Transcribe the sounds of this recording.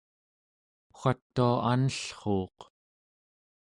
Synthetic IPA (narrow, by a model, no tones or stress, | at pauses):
xʷat̪ːuaʔanəɬχoːq